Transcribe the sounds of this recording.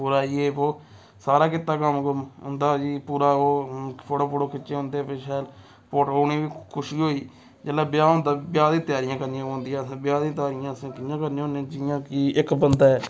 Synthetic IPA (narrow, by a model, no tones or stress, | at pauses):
puːɾaːieːpoː | saːɾaːkɪt̪ːaːkəmkəmʊ̰nd̪aːd͡ʒiːpuːɾaːoːpʰoːʈoːpoːʈoːkɪt͡ʃeːõnd̪eːpeʃɛːl | poːʈɦoːniːʋiːkʰʊʃiːɦoːiː | d͡ʒeːlaːbɪjaːɦõːnd̪aːbɪjaːd̪ĩːt̪jaːɾɪjãːkəɾniːãːõːnd̪iːãːsːbɪjaːd̪ĩːt̪̬jaːɾɪjãːsĩːkɪjãːkəɾniːõːnẽːd͡ʒɪjãːkiːɪkbənd̪aːɛː